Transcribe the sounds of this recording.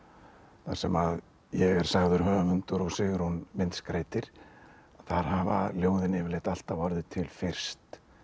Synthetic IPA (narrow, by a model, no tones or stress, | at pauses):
θa̰̥sɛmað | jɛɣɛɾ̥saɣðʏɾ̥ɦœːvamʏnt̪ʏɾɔɣsɪːɣʏɾ̥hunmɪnt̪skɾejt̪ɪɾ̥ | aθaɾ̥havaljoːwðɪnɪvɪɾlɪht̪al̥t̪avɔɾðʏt̪ʰɪlfɪr̥st̪